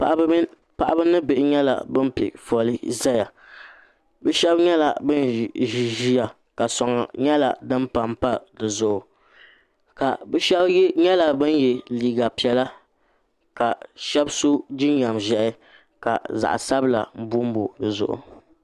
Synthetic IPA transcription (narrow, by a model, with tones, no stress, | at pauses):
ʔ | pa˨ʔa˦bɨ˦nɨ˦be˨ʔɪ˨ɲɛ˦la̰˨bɨ˦m˦pḭ˨fɔ˨lɨ˦za˦ja˨ | bɛ˦ʃɛ˦bɲɛ˦la˨bɨ˦nʒi˨ʒi˦ja˨ | ka˨sɔ˨ŋa̰˨ɲɛ˦la̰˨dɨ˦m˦pa˨mpa˦dɨ˨zʊ˨ʔʊ˨ | ka˨bʃɛ˦bɲɛ˦la˨bɨ˦n˦jɛ˨liː˨ɡa˨pi˨ɛ˦la˦ | ka˨ʃɛ˦bso˦d͡ʒi˦n˦ɲa˨mʒɛ˨ʔɪ˦ | ka̰˨za̰˨ʔsa˦bɨ˦la̰˨m̩˦bʊ˦m˦bo˨dɨ˨zʊ˨ʔʊ̰˨